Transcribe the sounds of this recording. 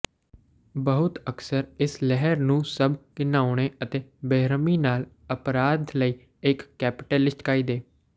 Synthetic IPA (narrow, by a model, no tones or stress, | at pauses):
bəɦʊt̪əksəɾɪslɛɦəɾnũːsəbkɪnaːʊɽ̃eːət̪eːbeːɾəmiːnaːl | əpɾaːd̪ləiː | ɪkːɛːpɪʈɛːlɪsʈkaːiːd̪eː